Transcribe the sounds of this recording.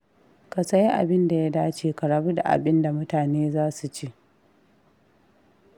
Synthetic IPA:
ka˨sɐ˦ji˦ʔa̰˨bɪ˦nda˨ja˦daː˦t͡ʃeː˨ka˨ɽa˦bu˦da̰˨ʔa̰˨bɪ˦nda˨mʊ˦taː˨neː˦zaː˦su˨t͡ʃeː˦ʔ

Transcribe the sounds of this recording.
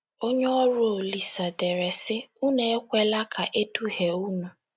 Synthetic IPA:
o˦ɲe˦ɔ˦ɾʊ˦o˨li˨sa˨de˨ɾe˨sɪ˦u˦ne˦e˦kʷe˦la˦kʰa˨ʔe˦tu˦he˨u˦nu˨

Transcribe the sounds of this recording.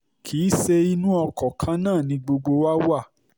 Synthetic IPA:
kʰi˨˦se˧i˧nũ˦ɔ˧kɔ˨kʰã˧˦nãː˦˨nĩ˧ɡ͡bo˧ɡ͡bo˧wa˦wa˦˨

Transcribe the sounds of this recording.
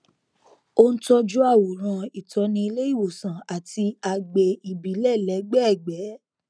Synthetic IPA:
o˦n̩˦tɔ˦d͡ʒu˦a˦˨wo˨ɾ̃ã˧i˨tɔ˨˧nĩ˧i˧le˦i˦˨wo˨sã˨a˨ti˧a˨ɡ͡be˨i˨bi˨˦lɛ˦˨lɛ˨˦ɡ͡bɛ˦˨ɡ͡bɛ˨˦

